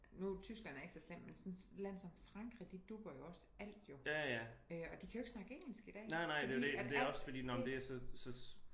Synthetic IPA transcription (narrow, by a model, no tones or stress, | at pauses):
nut͡sʰysɡ̥læn̰æɐe̝ɡ̥sɒslem̰mensɔ̽nlæn̰sɒ̽mfʁɑ̈ŋɡ̥ʁid̥id̥ub̥ɐjo̝ɒ̽sə̥æl̰d̥jo̝jæjæøɒ̽d̥ikʰæjoe̝ɡ̥snɑ̈ɡ̥əeŋ̰l̩sɡ̥id̥ɛ̰ːnɑɪ̰nɑ̈ɪ̰d̥e̝odeæde̝æɒsfɒd̥ḭːnɒmnd̥e̝æsɒ̽sɒ̽s